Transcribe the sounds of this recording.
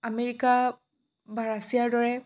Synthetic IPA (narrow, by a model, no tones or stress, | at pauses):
ameɹika | baɹasijaɹdɔɹɛ